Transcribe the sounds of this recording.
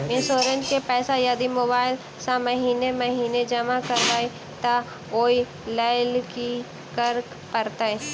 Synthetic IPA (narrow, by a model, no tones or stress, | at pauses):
ɪ̃nsoːɾə̃nʈkepɛːsajɐd̪imoːbaːɪl | sãməɦiːneməɦiːned͡ʒɐmakəɾʋaːi | t̪a | oːi | laːɪlki | kəɾk | pɐɾt̪aːe